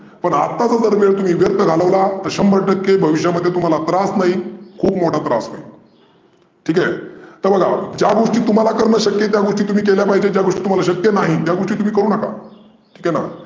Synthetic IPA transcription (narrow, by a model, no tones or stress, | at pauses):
pəɳat̪ːat͡sad͡zəɾʋeɭt̪um̤iːʋjəɾt̪ʰəɡʱaləʋlat̪əɾɕəmbʱəʈəkːebʱəʋiɕjaməd̪ʱjet̪um̤alat̪ɾasnaɦikʰuːpmoʈʰat̪ɾasna̰ɦi | ʈʰiːkajt̪əɾbəɡʱad͡ʑjaɡoʂʈiːt̪um̤alakəɾɳəɕəkjet̪̬jaɡoʂʈiːt̪um̤iːk̬eljapaɦid͡ʑed͡ʑjaɡoʂʈiːt̪um̤alaɕəkjenaɦit̪jaɡoʂʈiːt̪um̤iːkəɾuːnəka̰ | ʈʰiːkɛna̰